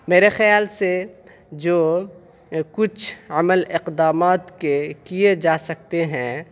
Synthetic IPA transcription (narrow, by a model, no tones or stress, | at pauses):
meːɾexɪjaːlse | d͡ʒoː | kʊt͡ʃʰɐməlɪqd̪aːmaːt̪kekied͡ʒaːsɐk̚t̪eɦɛ̃ː